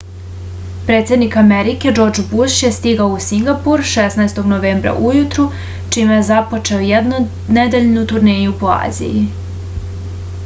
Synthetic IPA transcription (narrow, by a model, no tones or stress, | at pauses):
pɾe̞ːt̪sje̞d̪nikameɾike̞d͡ʒo̞ɾd͡ʒbuʃje̞st̪iɡaousiŋɡapuɾʃesnajst̪oɡnoʋe̞ːmbɾa̰ʔujut̪ɾu | t͡ʃimejezapo̞t͡ʃe̞ojed̪nu | ned̪eʎnut̪uɾne̞ːjupoa̰ːzḭji